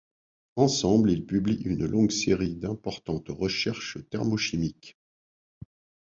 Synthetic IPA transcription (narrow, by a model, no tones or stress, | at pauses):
ɑ̃sɑ̃blilpybliʔynlɔ̃ɡseʁid̪ɛ̃pɔʁt̪ɑ̃t̪ʁəʃɛʁʃət̪ɛʁmoʃimik